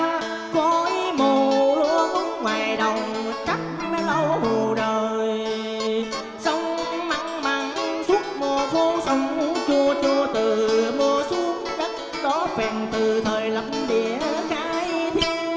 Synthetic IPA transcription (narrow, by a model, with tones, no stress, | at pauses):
kɔ˨˦ʔi˧˦mo˨˩lu˧˦xə˧˦ŋ͡mŋwaː˨˩jɗə˨˩wŋ͡m | t͡ɕa˦˥k̚ | ɗa˨˧˦lə˧who˨˩ɗəː˨˩j | sa˧wŋ͡m | ma˧˥ŋmaː˨˩ŋsu˦˥ət̚mɔ˨˩fo˧sə˨˧˦wŋ͡mt͡ɕu˧ət͡ɕu˧ət̪ɨ˨˩mo˧əsu˨˦əŋzə˦˥t̚ | ɗɔ˨˦kɛ˨˩nt̪ɨ˨˩t̪ʰəː˨˩jlə˧˨˩mɗi˧˨əxaː˨˦jt̪ʰi˧w